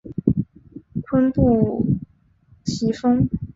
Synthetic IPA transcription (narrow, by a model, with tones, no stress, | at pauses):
kʰwə˥npu˥˩ | t͡ɕʰi˧˥fɤ˥ŋ